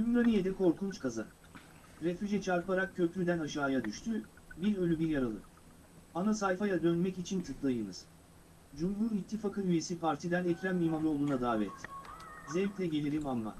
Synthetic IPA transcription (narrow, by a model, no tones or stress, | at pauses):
ymɾanijed̪ɛkʰo̞ɾkʰunt͡ʃkʰaza̰ | ɾefyd͡ʒɛt͡ʃʰaɾpaɾak̚cʰːø̞pɾyd̪ænaʃaːjad̪yʃt̪ʰy | biɾølʲybiɾjaɾalˠɯ̰ | anasajfajad̪ønmɛcit͡ʃʰint̪ʰɯklˠajɯnɯ̰z̥ | d͡ʒumɦuɾit̪ʰːifakʰɯyje̞sipʰaɾt̪ʰid̪ʲænɛcɾamːimalˠɯolˠd̪uːnad̪aːvɛt̪ʰzɛvt̪lʲɛɟe̞lʲiɾimamːa̰